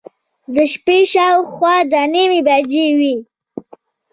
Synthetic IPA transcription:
d̪əʃpeʃɑwxwɑd̪animibad͡ʒewi

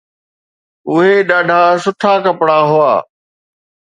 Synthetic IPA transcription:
ʊɦeɗaːɖʱasʊʈʰaːkɐpɽaɦʊa̰ː

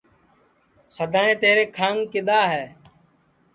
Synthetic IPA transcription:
səd̪ʱaːẽːt̪eːɾeːkʰaːŋkɪɗ̪aːɦɛː

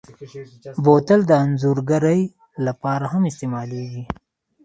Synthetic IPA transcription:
boːt̪ɐld̪əːnzuɾɡɐɾəj | lɐpɑːɾaɦɐmɪst̪emaːleɡi

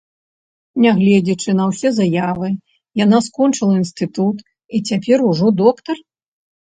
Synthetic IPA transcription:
nʲaɣlʲɛd͡zʲit͡ʂɨnɐwsʲɛzajavɨ | janaskɔnt͡ʂɨlˠɐinst̪ɨt̪ut̪ | it͡sʲapʲɛɾuʐɔd̪ɔkt̪ɐr

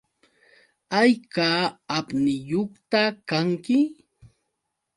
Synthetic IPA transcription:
ajkaapnɪjoχt̪akaŋkɪ

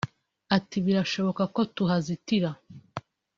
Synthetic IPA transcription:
atiβiɾaʃo̞βo̞kako̞tuɦazitiɾa

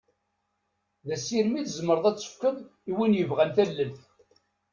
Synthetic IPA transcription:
ðæsiɾmiθzəmːəɾðˤæt͡sːə̥kʷːəmiwinjəvʁænθælːəlθ

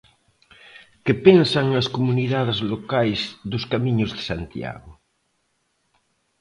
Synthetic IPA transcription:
kepensaŋaskomuniðað̞ezlokajzðoskamiɲʊzðe̥sant̪ja̰ɣʊ

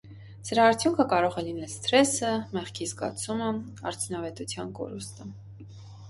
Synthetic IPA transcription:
d͡zəɾɑːɾt͡sʰjuŋkʰəkɑɾɔʁɛlinɛlst̪ɾɛsəmɛχkʰizɡɑ̰t͡sʰumə | ɑ̰ɾt͡sʰunɑvɛt̪ut͡sʰjɑnkɔ̰ɾust̪ə

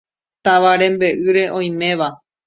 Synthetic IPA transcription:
t̪aʋaɾẽ̞mbe̞ʔɨɾe̞ʔõ̞j̃mẽ̞ʋa

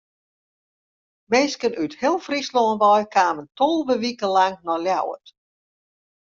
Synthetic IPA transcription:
meːskənʔythɪəlˠfrisloːənʋɔjkʰaːməntolˠʋəʋikəlaŋnɔlja̰wə̰t

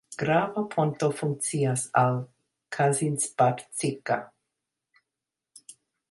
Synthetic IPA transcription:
ɡ̥ɾavɐpʰontofuŋk̚t͡siasal | kʰazinspaɾt͡sika

